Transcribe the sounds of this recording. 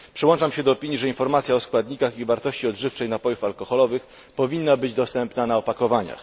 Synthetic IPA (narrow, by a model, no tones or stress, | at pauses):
pʂɘwɔnt͡ʂamɕɛd̪ɔːpʲiɲiʐɛinfɔɾmat̪sʲjaɔskwad̪ɲikaxivaɾt̪ɔɕt͡ɕiɔd̪ʐɘft͡ʂɛjnapɔjufalkɔxɔlɔvɘx | pɔvʲinːabɘd͡ʑd̪ɔst̪ɛmpnanaɔpakɔvaɲa̰x